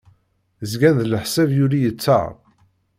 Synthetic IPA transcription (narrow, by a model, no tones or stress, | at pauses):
zɡænðələħsævjʊɾijət͡sːə̰ʁ